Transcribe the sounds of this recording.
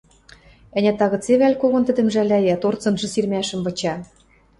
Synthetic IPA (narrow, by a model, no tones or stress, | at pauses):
ɘ̆nʲæt̪ɑɣɤ̆t͡seβælʲkoɣŏnt̪ɘ̆d̪ɘ̆mʒælʲæjæt̪ort͡sɤ̆nʒɤ̆sirmʲæʃɘ̆mvɤ̆t͡ɕɑ